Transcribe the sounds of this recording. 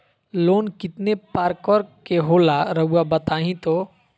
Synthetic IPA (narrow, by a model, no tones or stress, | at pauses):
loːnkɪt̪nepaːɾkɔɾkeɦoːlaɾəɦuabət̪aːɦĩt̪o